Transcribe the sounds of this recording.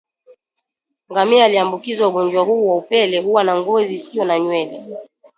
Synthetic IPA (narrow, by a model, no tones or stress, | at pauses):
ŋɡamiaːliambukizwauɡɔnd͡ʒwaɦuːwaupɛlɛhuwanaŋɡɔzisiɔnaɲwɛlɛ